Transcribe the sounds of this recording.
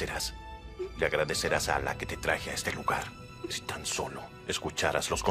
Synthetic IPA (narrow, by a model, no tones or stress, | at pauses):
eɾasleaɣɾaðe̞seɾasa̰la̰ke̞t̪e̞t̪ɾaxeaest̪e̞luɣaɾ | si̥t̪anso̞̰lo̞ | eskut͡ʃaɾazlo̞skõ